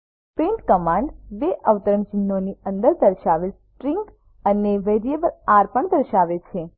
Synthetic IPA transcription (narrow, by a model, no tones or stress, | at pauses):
pẽɳʈkəmãɳɖʋeʔəʋt̪əɾəmt͡ʃɪnːoniə̃nd̪əɾd̪əɾʃaʋesʈɾiŋk | əneʋeɾiebəlaɾpəɳd̪əɾʃaʋet͡ʃʰe